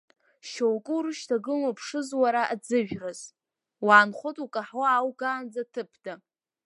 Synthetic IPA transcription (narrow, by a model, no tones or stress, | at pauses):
ʃowkʼɨuɾɨʃtʰaɡɨmapʰʂɨzwaɾaʔad͡zɨʒᶣraz̥ | waːnχʷotʼukʼaħwaawɡaːnd͡zatʰɨpʰda